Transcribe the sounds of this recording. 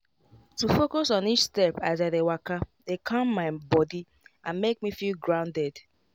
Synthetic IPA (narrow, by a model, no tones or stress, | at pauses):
tufokosɔ̃nit͡ʃstɛpazadewakadekʰɔ̃mːaɪbɔdi | ãnmek̚mifilɡɹãʊ̃ndɛd